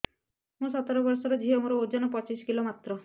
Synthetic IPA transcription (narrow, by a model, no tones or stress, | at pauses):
mũsɔt̪ɔɾɔbɔɾsɔɾɔd͡ʒʱiɦɔmũɾɔod͡ʒɔnɔpɔt͡ʃiskilomat̪ɾɔ